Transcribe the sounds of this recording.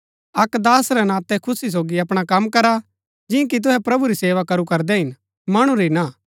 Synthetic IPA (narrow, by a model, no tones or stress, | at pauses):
ɐkd̪aːsɾɛnãːt̪ɛkʰʊsis̬oːɡiɐpɽ̃akɐmːkɐɾa | d͡ʒɪ̃k̬it̪̬ʊɦɛpɾɐbuɾiseːʋakɐɾukɐɾd̪ɛɦɪn | mɐɽ̃ũɾina